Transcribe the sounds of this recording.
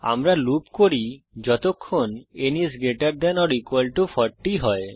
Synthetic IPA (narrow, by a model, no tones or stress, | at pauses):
a̰mɾalupkoɾi | d͡ʑɔt̪okʰːonenisɡeʈaɾd̪ɛnɔɾikwalʈufɔɾʈːiɦɔe